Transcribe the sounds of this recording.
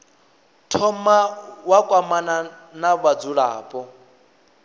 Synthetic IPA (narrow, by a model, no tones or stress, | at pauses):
tʰɔmawakʼwamana | naβad͡zuɺaːpʼɔ